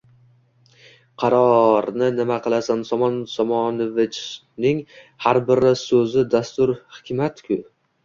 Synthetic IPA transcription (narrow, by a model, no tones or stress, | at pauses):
qʰɑɾɒɾnɪnɪmaqʰɨlˠasansɒmɒnsɒmɒnɪvɪt͡ʃ | nɪŋ | haɾbɪɾɪsɵzɪd̪ast̪ʊɾhɪ̥kʲʰɪmat̪kʲʰʊ